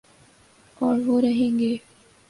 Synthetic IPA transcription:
ɔːɾʋoɾɐɦẽːŋɡeː

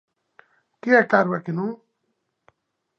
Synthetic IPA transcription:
kiaʈaɾwakinũ

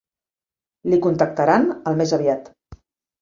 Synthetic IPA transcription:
likunt̪ək̚t̪əɾanəlˠmezəβiat̪

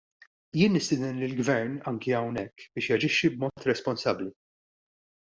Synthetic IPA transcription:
jɪːnːɪst̪ɪːd̪ɛnlɪlɡvɛɾnɐŋkiɐwnɛkːb̥ɪːʃjɐd͡ʒɪʃːibmɔːt̪ɾɛspɔnsɐbːli

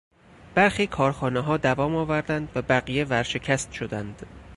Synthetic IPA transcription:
b̥æɾxiːkʰɒːɾxɒːneɦɒːd̪ævɒːmɒːvæɾd̪ænd̪væbæɣijevæɾʃe̞cʰæst̪ʃod̪ænd̪̥

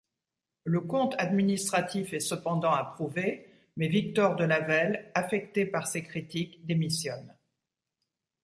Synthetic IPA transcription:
ləkɔ̃t̪ad̪minist̪χat̪ifɛsəpɑ̃d̪ɑ̃apχuve | mɛvik̚t̪ɔʁd̪əlavɛlafɛk̚t̪epaʁsekχit̪ikd̪emisjɔn

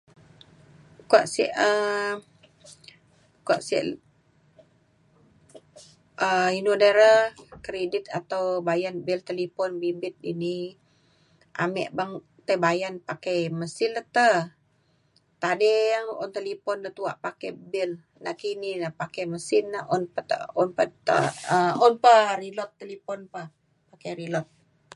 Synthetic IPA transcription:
kaʔsiʔə | kua̰ʔsḭʔ | əinudeɾəkɾedit̪̚at̪awbajanbilt̪əlipɔnbimbɪt̪̚ini | ʔa̰mɛ̰ʔbaŋ | t̪əbajanpakajməsɪlət̪ə | t̪adeaŋɔnt̪əlipɔnːət̪uaʔpakɛbɪl | naʔkininapakɛjməsɪnːaʔɔnpət̪ə̰ɔnpat̪ə̰əɔnpəɾilɔt̪ːəlipɔnpa | pakejɾilɔt̪̚

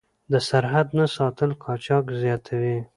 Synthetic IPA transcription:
d̪əsaɾɦad̪nasɑt̪əlkʰɑt͡ʃɑkzjɑt̪ʰawi

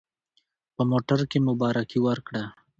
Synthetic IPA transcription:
pəmoːʈəɾkemʊbɑːɾakiwəɾkɽa

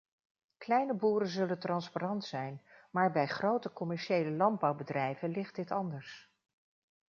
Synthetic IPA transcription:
klɛjnəbuːɾənzɵləntrɑnsparɑntsɛjnmaːɹbɛjχrowtəkɔmɛɹʃejləlɑnd̚bɑwbədrɛjvəlɪχt̚dɪtɑndəɹs

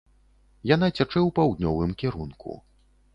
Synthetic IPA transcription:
janat͡sʲat͡ʂɛwpawd̪ʲnʲɔvɨmkʲɛɾunkʰṵ

